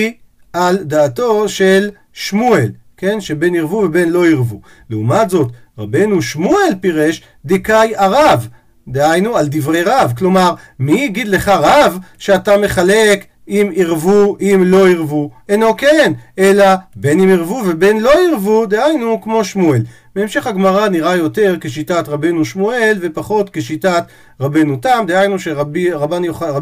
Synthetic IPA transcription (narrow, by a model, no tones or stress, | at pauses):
i | ald̪aːto̞ʃe̞l | ʃmuel | ke̞nʃebe̞niʁvuve̞be̞nlo̞iʁvu | leumatzo̞t | ʁabe̞jnuʃmuelpiʁeʃ | d̪ikajaʁav | d̪ehajnuald̪ivʁejʁavklo̞maʁmiɡid̪le̞χaʁavʃeatame̞χalek | imiʁvuʔimlo̞iʁvuenokeenʔelabe̞nimiʁvuve̞be̞nlo̞iʁvud̪eajnukmo̞ʃmuel | beːmʃe̞χhaɡmaʁaniʁajo̞te̞ʁkeʃ̬itatʁabe̞nuʃmue̞lve̞paχo̞t̪keʃitat̪ | ʁabenutamd̪ehajnuʃebiʁabanjoχaa